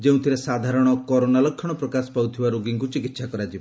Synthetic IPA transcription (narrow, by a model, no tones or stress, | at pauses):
d͡ʒeũt̪ʰiɾesad̪ʱaɾɔɽ̃ɔkɔɾonalɔkʰːjɔɽ̃ɔpɾɔkasɔ̥pawt̪ʰibaɾoɡiŋkut͡ʃikit̪sakɔɾad͡ʒibɔ